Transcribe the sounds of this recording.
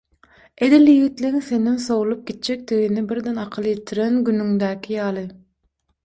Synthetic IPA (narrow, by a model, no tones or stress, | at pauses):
ed̪ilːjɣit̪liiŋse̞nimso̞wulˠup̚ɡ̥ʲit̪̚d͡ʒek̚d̪iɣinibiɾd̪enɑqʰɯlˠɯjit̪ʰiɾenɡynyŋd̪æːkʰʲijɑːlˠɯ